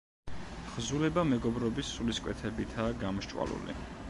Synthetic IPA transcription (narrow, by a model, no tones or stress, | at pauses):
ʁ̥zulɛbamɛɡɔbɾɔbisːuliskʼwɛ̰t̪ʰɛbit̪ʰaːɡamɔʃt͡ʃʼwa̰lṵlḭ